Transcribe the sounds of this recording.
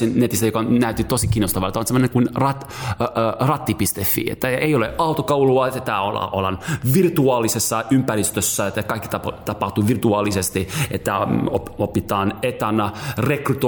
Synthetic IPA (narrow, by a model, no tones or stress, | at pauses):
innet̪ist̪æjokɑonnæyt̪ːit̪osikiːnːost̪ɑʋɑlet̪æonsemːoneŋkunrɑt̪ː | rɑt̪ːipist̪efːḭːḛt̪ːæʔeioleʔɑut̪okɑuluɑet̪ːæt̪ːæolɑ̰ʔolɑ̰nʋirt̪uɑːlisesːɑʔympærist̪øsːæet̪ːækɑikːi̥t̪ɑt̪ɑpɑht̪uʋirt̪uɑːlisest̪iʔet̪ːæoopit̪ɑːnet̪ɑnɑrekrut̪o